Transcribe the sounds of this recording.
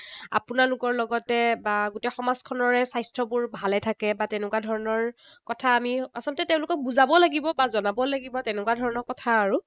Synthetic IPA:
a̰punalʊkɔɹlɔɡɔtɛbaɡʊtɛxɔmazkʰɔnɔɹɛsajstɹɔbʊɹbʱalɛtʰakɛbateʊnɛkwadʱɔɹɔnɔɹkɔtʰaːmiasɔlɔtɛteʊ̃lʊkɔk̚buzabɔlaɡibɔbazɔnabɔlaɡibɔtenɛkuwadʱɔɹɔnɔɹkɔtʰaːɹu

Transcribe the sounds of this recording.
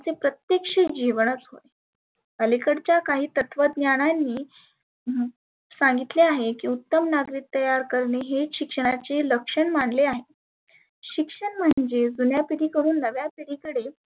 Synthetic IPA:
at͡sepɾət̪jekʂəd͡ʑiʋɳ̃ət͡sɦo̰j | əlikəɽt͡ɕjakaɦiːt̪ət̪ʰʋəd̪njaɽ̃anːiː | sãŋɡit̪leaɦekiːut̪ːəmnaɡɾiːk̚t̪ːəjaɾkəɾɳeɦeɕikʂəɽ̃at͡seləkʂəɳmaɳleaɦe | ɕikʂəɳm̤əɳd͡zed͡zunjapiɾiːkəɾuːnːəʋjapiɾikəɽe

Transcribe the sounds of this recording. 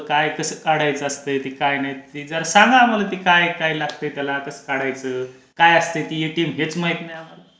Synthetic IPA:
kajkəsəːkaɽajt͡səəst̪əjt̪iːkajnaɦjit̪iːd͡zəɾsãŋɡaːm̤alat̪iːkajkailaɡ̚t̪əjt̪jalakəsə̥kaɽajt͡səː | kajast̪əjt̪ijeʈiːmɦet͡smaɦit̪najam̤ala

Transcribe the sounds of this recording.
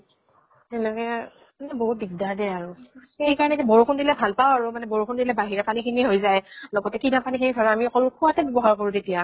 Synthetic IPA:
tɛnɛkɛ | manɛbɔɦut̚biɡdaɹdɛaɹʊxejkaɹɔnɛtɛbɔɹukʰundilɛbʱalpawaɹumanɛbɔɹukʰʊndilɛbaɦiɹapanikʰiniɦojzajlɔɡɔtɛkidapanikʰinitʰɔɹaamiɔkɔlkʰuwatɛbɔbɔɦaɹkoɹũtetija

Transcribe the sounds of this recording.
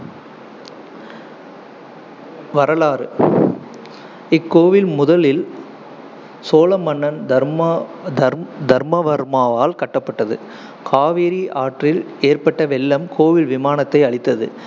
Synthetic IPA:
ʋɐɾɐlaːɾɯ | ɪkːoːʋɪlmʊðɐlɪl | soːlɐmɐɳːɐnd̪ɐ | d̪ɐd̪ɐɾmɐʋɐɾmaːʋaːlkɐʈːɐpːɐʈːɐðɯ̰ | kʰaːʋeːɾiʔaːʈrɪl | eːrpɐʈːɐʋɛlːɐmkʰoːʋɪlʋɪmaːnɐt̪ːɐɪɐɭɪt̪ːɐðɯ̰

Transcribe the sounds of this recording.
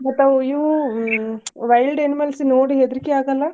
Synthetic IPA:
mɐt̪ːɐʋiʋu | ʋɐjlɖenimelsinoːɽiɦed̪ɐɾikeaːɡɐlːɐ

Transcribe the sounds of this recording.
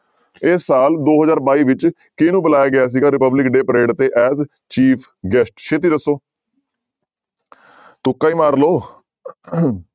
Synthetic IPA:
ɪsːaːld̪oːɦəzaːɾbaːiːʋɪt͡ʃ | kɪnũːbəlaːjaːɡɪaːs̬iːɡaːɾɪpəblɪkɖeːpəɾeːɖt̪eːʔɛːz | t͡ʃiːpʰ | ɡɛsʈʃʰeːt̪̬iːd̪əsːoː | t̪ʊkːaːiːmaːɾloː

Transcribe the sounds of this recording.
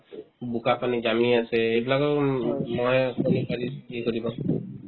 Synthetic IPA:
bukapanid͡ʒamiaseejbilakɔmɔjkonipaɾiiekɔɾibaŋ

